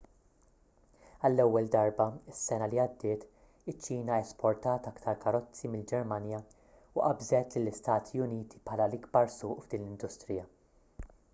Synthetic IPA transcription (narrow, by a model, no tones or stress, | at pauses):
ɐlːɛwːɛld̪ɐɾbɐɪsːɛnɐliɐd̪ːɪːt̪ | ɪt͡ʃːiːnɐɛspʰɔɾt̪ɐːt̪ɐkt̪ʰɐɾkɐɾɔt͡sːimɪld͡ʒɛɾmɐnjɐ | uʔɐbzɛt̪lɪlːɪst̪ɐːt̪ʰiʊniːt̪i̥pħɐːlɐlɪɡbɐɾsʊːʔvd̪iːnlɪnd̪ʊst̪ɾɪjɐ